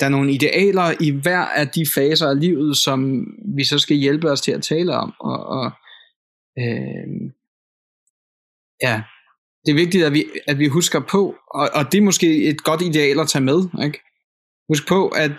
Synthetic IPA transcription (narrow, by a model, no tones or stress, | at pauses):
d̥ɑ̈æɐno̝ːn̩əid̥e̝ʔɛ̰ːlɐiʋæɐ̰æd̥ifɛːsɐæliʊ̰ð̞̩ˠsɒ̽mʋisɒ̽sɡ̥æjelb̥əɒ̽st͡sʰe̝æt͡sʰɛːləɒ̽mɒ̽ɒ | ø | jæ | d̥e̝æɐʋe̝ɡ̥̚d̥id̥æʋiæd̥ʋiɦusɡ̥ɐpʰɒ̽ɒʔɒ̽d̥e̝ɐmɒ̽sɡ̥e̝̰ːe̝d̥ɡ̥ɒ̽d̥id̥e̝ɛ̰ːlæt͡sʰɛːmeð̞ˠeɡ̥ | hus̬ɡ̥̚pʰɒ̽ʔæd̥